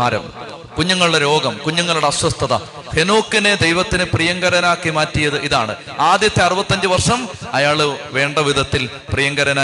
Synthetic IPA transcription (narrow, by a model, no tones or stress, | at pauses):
aːɾɐ̰m | kuɲːuŋːɐɭuɽeɾo̞ːɡɐmkuɲːuŋːɐɭuɽe̞ɐswɐst̪ʰɐðɐ̰ | henoːkːined̪ejʋɐt̪ːinɨprijɐŋɡɐɾɐnaːkːimaːtːijɐðɨʔiðaːɳɨ | aːd̪jɐt̪ːeɐrubɐt̪ːɐnd͡ʑɨʋɐrʂɐmɐjaːɭʋe̞ːɳɖɐʋid̪ʱɐt̪ːil | prijɐŋɡɐɾɐnaː